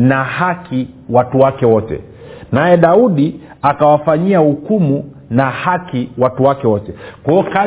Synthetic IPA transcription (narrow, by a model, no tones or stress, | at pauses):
nahaki | watuwakɛwɔtɛ̰ | najɛɗauɗi | akawafaɲiahukumu | nahakiwatuwakɛwɔtɛkɔɔka